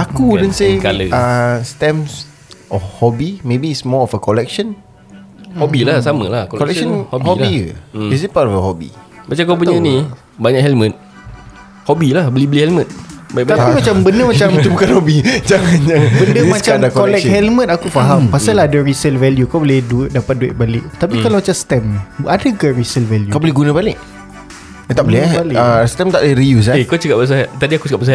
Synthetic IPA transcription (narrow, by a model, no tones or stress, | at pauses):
akudɛnsealəast̪ɛ̃ms | ʔɔfhɔbimebiːsmɔɔfəkɔlɛk̚ʃɔn | hɔbilahsamə̰lahkɔkɔlɛkʃɔnhɔhɔbiəisit̚patɔfəhɔbḭ | bat͡ʃakop̬uɲani | baɲakhɛlmə̃t̪̚ | hɔbilahbəlibəlihɛlmə̃t̪̚baiʔbaapimat͡ʃambəndəmat͡ʃamt̪ubukanhobid͡ʒaŋanjaŋbəndəmãt͡ʃamdakɔlɛkhɛlmə̃t̪̚akufaɦampasalaɦadaɹisəlvɛljukawbolɪduɪt̪̚dapat̪̚duɪ̰t̪̚balɪʔt̪apikalamat͡ʃamst̪ɛmnadakaɹisəlvɛljukawbolɪɡunəbalɪʔ | t̪aʔbəlebalɪəst̪ɛmt̪aʔlaiɾijus̬akot͡ʃakabas̬at̪adiaku̥t͡ʃaəkapbas